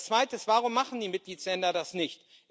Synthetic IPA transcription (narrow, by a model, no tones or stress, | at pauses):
t͡sv̥aɪtəsv̥aːʁ̞ʊmːaχn̩diːmɪt̚ɡ̥liːslɛndɐdasnɪçt